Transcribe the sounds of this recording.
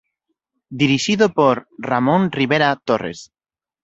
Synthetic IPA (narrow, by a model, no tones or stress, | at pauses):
d̪iɾiʃiðopoɾramõnriβ̞eɾat̪orḛs